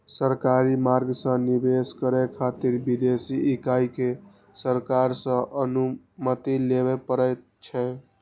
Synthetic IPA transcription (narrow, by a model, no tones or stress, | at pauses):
səɾkaɾimaɾɡsə̃nibeskəɾɛkʰat̪iɾbid̪esiʔikajke | səɾkaɾsə̃ʔənu | mət̪ileβepəɾɛt̪ | t͡ʃʰɛ